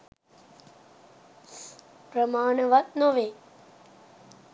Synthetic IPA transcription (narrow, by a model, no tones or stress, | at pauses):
pɾəmaːɳəʋat̪noʋeː